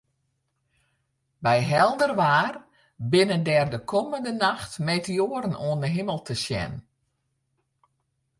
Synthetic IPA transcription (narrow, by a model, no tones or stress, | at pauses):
bɛjɦɛlˠdərʋaːr | bɪnəndɛrdəkʰoməndənaxtmeːtəjoəɾənoəndəɦɪməlˠtʰəsjɛ̰n